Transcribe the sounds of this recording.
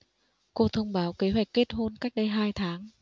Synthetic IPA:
ko˧t̪ʰə˧wŋ͡mɓaː˨˦wke˨˦ɦwa˧˩jk̚ke˦˥t̚ɦo˧nka˦˥jk̚ɗə˧jɦaː˧jt̪ʰaː˨˦ŋ

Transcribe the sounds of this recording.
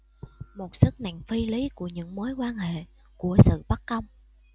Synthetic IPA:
mo˨˩t̚sɨ˦˥k̚na̰˧˨jŋfi˧li˨˦ku˧˩əɲɨ̰˧˥ŋmo˨˦jkwaː˧nhḛ˧˨ | ku˧˩əsɨ̰˧˨ɓa˦˥k̚ːə˧wŋ͡m

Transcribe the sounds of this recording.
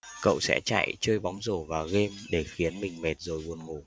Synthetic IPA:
kə̰˧˨wsɛ̰˧˥t͡ɕa̰ː˧˨jt͡ɕəː˧jɓa˨˦wŋ͡mzo˧˩vaː˨˩ɣe˧mɗe˧˩xi˨˦ənmï˨˩ŋ̟me˨˩t̚zo˨˩jvu˨˩ənŋo˨˩

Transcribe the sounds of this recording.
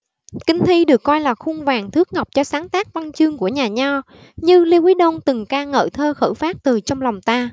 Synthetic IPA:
kï˧ŋ̟t̪ʰi˧ɗɨ˨˩əkːɔ˧jlaː˨˩xu˧ŋvaː˨˩ŋt̪ʰɨ˦˥ək̚ŋa˨˩wk͡p̚t͡ɕɔ˧saː˨˦ŋt̪aː˦˥k̚va˧nt͡ɕɨ˧əŋku˧˩əɲaː˨˩ɲɔ˧ | ɲɨ˧li˧wʔi˨˦ɗo˧nt̪ɨ˨˩ŋkaː˧ŋə̰ː˧˩t̪ʰəː˧xə̰ː˧˩faː˦˥t̚t̪ɨ˨˩t͡ɕɔ˧wŋ͡mla˨˩wŋ͡mt̪aː˧

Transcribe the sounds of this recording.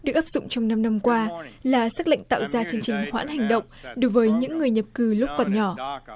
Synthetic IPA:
ɗɨ˨˩ək̚ʔaː˦˥p̚zʊ̰˧˨ŋ͡mt͡ɕɔ˧wŋ͡mna˧mna˧mkwaː˧laː˨˩saː˦˥k̚lə̰˧˨ŋ̟t̪a̰ː˧˨wzaː˧t͡ɕi˧ənt͡ɕï˨˩ŋ̟hwa̰ː˧˥nha˨˩jŋ̟ɗə̰˧˨wŋ͡mɗo˨˦jvəː˨˦jɲɨ̰˧˥ŋːɨ˨˩əjɲə˨˩p̚kɨ˨˩lʊ˦˥p̚kɔ˨˩nɲɔ˧˩

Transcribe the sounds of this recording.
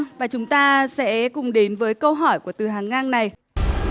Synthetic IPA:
vaː˨˩t͡ɕʊ˨˦ŋ͡mt̪aː˧sɛ̰˧˥kʊ˨˩ŋ͡mɗe˨˦nvəː˨˦jkə˧wɦɔ˧˩jku˧˩ət̪ɨ˨˩ɦaː˨˩ŋːaː˧ŋna˨˩j

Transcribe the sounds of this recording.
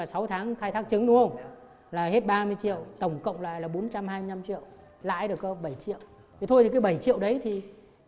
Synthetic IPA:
a˨˩sa˨˦wt̪ʰaː˨˦ŋxaː˧jt̪ʰaː˦˥k̚t͡ɕɨ˨˦ŋɗu˧˦ə˧ŋ͡m | laː˨˩he˦˥t̚ɓaː˧mɨ˧əjt͡ɕḭ˧˨əwt̪ə˧˩wŋ͡mkə̰˧˨wŋ͡mla̰ː˧˨jlaː˨˩ɓo˨˦nt͡ɕa˧mhaː˧jmɨ˧na˧mt͡ɕḭ˧˨əw | la̰ː˧˨jɗɨ˨˩əkə˨˧˦ɓə˧˩jt͡ɕḭ˧˨əw | t̪ʰi˨˩t̪ʰo˧jt̪i˨˩kːaː˨˦jɓə˧˩jt͡ɕḭ˧˨əwɗə˨˦jt̪ʰi˨˩

